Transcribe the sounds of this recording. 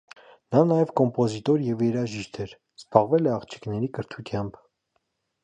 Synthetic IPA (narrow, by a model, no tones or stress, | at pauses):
nɑnɑjɛvkɔmpɔzit̪ɔɾjɛvjɛɾɑʒiʃt̪ʰɛɾ | z̥bɑʁvɛlɛɑʁt͡ʃʰi̥knɛɾikəɾt̪ʰut̪ʰjɑmbʰ